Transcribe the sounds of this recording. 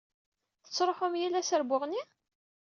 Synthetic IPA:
θət͡sːɾˤoħʊmjilːæsəɾbʊʁni

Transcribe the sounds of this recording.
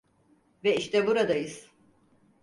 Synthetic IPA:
vɛiʃt̪ʰɛbuɾad̪ajɯz̥

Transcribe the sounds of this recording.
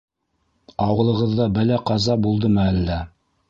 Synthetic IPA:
ɑwɤ̆lˠɤ̆ʁɤ̆ðːɑbælæqɑzɑbulˠd̪ɤmɤælːæ

